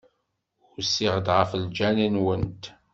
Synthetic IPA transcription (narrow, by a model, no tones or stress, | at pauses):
ʊɾsiʁəd̪ʁəfəld͡ʒænənwənt̪